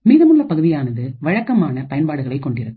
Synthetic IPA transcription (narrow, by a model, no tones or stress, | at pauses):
miːðɐmɯɭːɐpɐɣɯðɪjaːnɐðɯʋɐɻɐkːɐmaːnɐpɐjɐnpaːɽɯɣɐɭɐɪkːɔɳɖɪɾɐðɯ